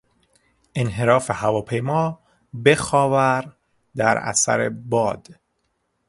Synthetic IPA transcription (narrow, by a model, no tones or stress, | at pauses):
ʔenɦe̞ɾɒːfehævɒːpʰe̞jmɒː | be̞xɒːvæɾ | d̪æɾæ̰sæ̰ɾḛbɒːd̪̥